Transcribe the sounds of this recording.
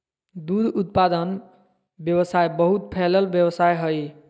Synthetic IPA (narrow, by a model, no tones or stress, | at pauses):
d̪ud̪ʱut̪̚pad̪ən | bjebəsajbʌɦut̪̚pʰeləlbjəbsajɦoj